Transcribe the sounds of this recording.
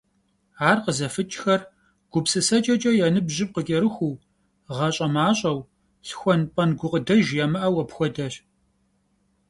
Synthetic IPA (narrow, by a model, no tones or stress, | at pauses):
aːrqəzɐfɨt͡ʃʼxɐr | ɡ̥ʷʊpsɨsɐt͡ʃʼɐt͡ʃʼɐjɛnɨbʑɪp̚qəkʲʼɛɾɨxʷuː | ʁɐɕʼɐmaːɕʼɐw | sxʷɔnpʼɐnɡʷʊqʼədɐʒjamɨʔɐwɐpxʷɔdɐɕ